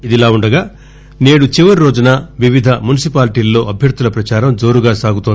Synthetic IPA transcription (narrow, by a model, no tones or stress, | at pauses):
id̪ilaːuɳɖɐɡaː | ne̞ːɽut͡ʃiʋɐɾiɾoːd͡ʒunɐːʋiʋid̪ʱɐmunisipaːlʈiːlːo̞ːʔɐbʱjɐɾt̪ːulɐpɾɐt͡ʃaːɾɐmd͡ʒo̞ːɾuɡaːsaːɡut̪ond̪